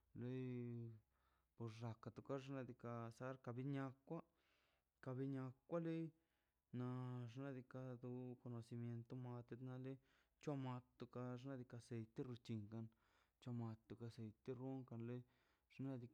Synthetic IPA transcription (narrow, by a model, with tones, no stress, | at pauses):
le˦j | po˨ɾʐa˧ka˧t̪u˧ka˦ʐna˧d̪i˧ka˧sa˦ɾka˧bi˦ɲa˧kʷa˦ | ka˧bi˧ɲa˧kːʷa˦le˦ | na˧ʐna˧d̪i˧ka˧d̪u˧ko˧no˧si˧mje˧nt̪o˧ma˧t̪e˧t̪na˧le˦ | t͡ʃwa˦ma˧t̪t̪u˧ka˧ʐna˦d̪i˧ka˧se˨jt̪e˦ɾu˧t͡ʃi˧ŋka˧n | t͡ʃa˧ma˧t̪ːu˧ka˧se˨jt̪e˦ɾu˦ŋka˧nle˦ | ʐ̥na˧d̪i˧